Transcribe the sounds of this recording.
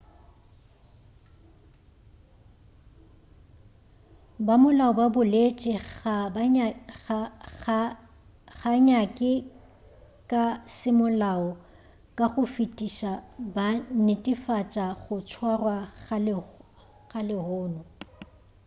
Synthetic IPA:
bamʊlaɔbabʊlet͡ʃʼɪa | ɣaɲakʼɪ | kʼasɪmʊlaɔ | kʼaɣʊfitʼiʃabanɪtʼɪfat͡ʃʼaɣʊt͡ʃʰwarwa | ɣalɪhʊːnɔ

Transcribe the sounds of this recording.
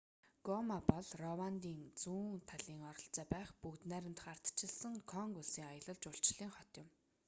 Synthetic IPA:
ɡ̥ɔmapɔɮrɔwant̪iːnt͡suːŋt̪ʰaɮiːŋɔɾɞ̆ɬt͡sæːpæːχpukt̪næɾʲɪ̆mt̪̆χar̥t̪t͡ɕʰɪ̆ɮsə̆ŋkʰɔŋkuɮsiːŋajə̆ɮə̆ɮt͡ɕʊɬt͡ɕɮiːŋχɔt̪jɪ̆m

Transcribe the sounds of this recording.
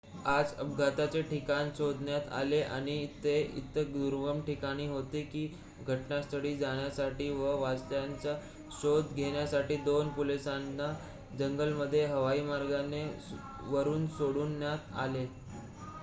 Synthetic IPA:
ad͡zəbɡʱat̪at͡seʈikanisod̪ʱnjat̪a̰leʔa̰ɽ̃it̪ːeḭt̪əd̪uɾʋəmʈikaɽ̃iːɦot̪ekiː | ɡʱəʈnast̪ʰəɽiːd͡zaɽ̃jasaʈiːʋəʋast̪jant͡sa | ɕod̪ʱɡʱeɳ̃jasaʈiːd̪onpulisanːa | d͡zəŋɡəlməd̪ʱːjeɦəʋaiːmaɾɡane | ʋəɾuːnsoɽuːnːjat̪a̰le

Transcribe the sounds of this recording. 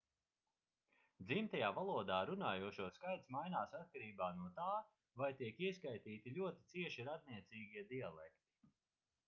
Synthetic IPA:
d̪zimt̪ajaːvalˠuɔd̪aːɾunaːjuɔʃuɔskajt̪smajnaːsat̪̚kaɾiːbaːnuɔt̪aː | vajt̪iɛkiɛskajt̪iːt̪ilʲuɔt̪it̪siɛʃiɾad̪̚niɛt̪siːɡʲiɛd̪ialˠɛkt̪i̥

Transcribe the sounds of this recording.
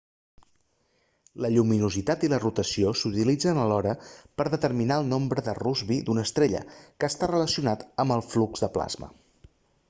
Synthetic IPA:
ləʎuminuzit̪at̪ilərut̪əsiosut̪ilid͡zənəlɔɾəpəɾðət̪əɾminaəlˠnombɾəðəruzβid̪unəst̪ɾeʎə̰kəːst̪arələsiunat̪əmbəlˠflukzðəpla̰zmə̰

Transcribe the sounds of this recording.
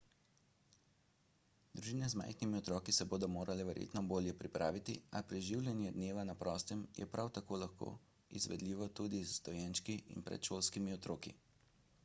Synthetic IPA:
d̪ɾuʒiːnɛzma̰jxnimiɔt̪ɾɔːkisɛboːd̪ɔmoːɾalɛʋɛɾjʔḛːt̪nɔboːljɛpɾipɾaːʋit̪iapɾɛʒiwlʲjɛnjɛd̪neːʋanapɾɔːst̪ɛmjɛ̰pɾʔawt̪akoːlaxko̰ː | izʋɛ̰d̪liːʋɔt̪ud̪izst̪ɔjɛnʃkiḭnpɾɛ̰t̪ʃolskimiɔt̪ɾoːkḭ

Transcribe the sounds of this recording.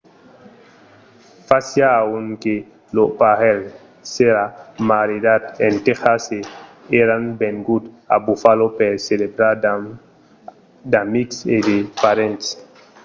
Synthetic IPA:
fasjaːwunke | lopahɛl | seɾamaɾidat̪entexase | eɾanbeŋɡud | a̰bufalopeɾselebɾa | damiksedepaɾẽnts

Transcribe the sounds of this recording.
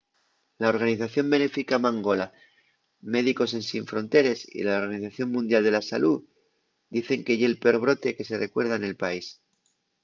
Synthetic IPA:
laoɾɣ̞aniθaθjo̞mbe̞ne̞fikamãŋɡo̞la | me̞ðiko̞se̞nsiɱfɾo̞nt̪e̞ɾe̞sḭlao̞ɾɣaniθaθjo̞ŋmũnd̪jald̪e̞lasalu | d̪iθe̞ŋke̞ʝeːlpeo̞ɾβ̞ɾo̞t̪e̞ke̞se̞re̞kwe̞ɾð̞aene̞lpais

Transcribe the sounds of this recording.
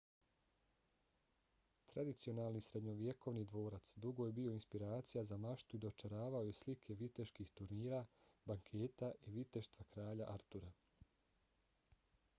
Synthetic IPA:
t̪ɾad̪it̪sio̞naːlˠnisɾe̞d̪ɲo̞ʋje̞ko̞ʋnid̪ʋo̞ːɾat̪sd̪uɡo̞jebio̞inspiɾaːt̪sijazamaʃt̪uid̪o̞t͡ʃaɾaːʋaojeslikʰe̞ʋit̪e̞ʃkixt̪uɾniːɾabaŋkʰeːt̪aʔiʋit̪e̞ʃt̪ʋakɾaːʎaʔaɾt̪uɾa

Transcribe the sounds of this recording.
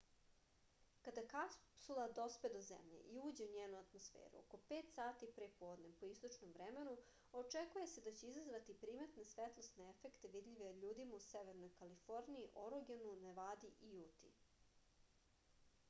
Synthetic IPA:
kad̪akasulˠad̪o̞spe̞d̪ozḛmʎḛʔiuːd͡ʑe̞uɲeːnuat̪mosfḛːɾṵo̰ko̞peːt̪saːt̪ipɾepoːd̪nempoist̪o̞t͡ʃnomvɾeme̞nu | o̞t͡ʃekuje̞se̞d̪at͡ɕeizazʋat̪ipɾiːmet̪nesʋet̪lˠost̪neefekt̪eʋid̪ʎʲiʋeʎuːd̪imauseʋeɾnojkalifo̞ɾniiʔoɾoɡenuneʋad̪iʔijut̪ḭ

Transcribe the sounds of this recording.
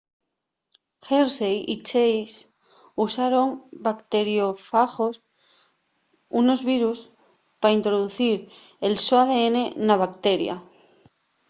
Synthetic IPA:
xeɾsejit͡ʃejs | usaɾo̞ŋbakt̪e̞ɾjo̞faxos | uno̞zβiɾus | paint̪ɾoðuθiɾelsoaðe̞ene̞naβakt̪e̞ɾja̰

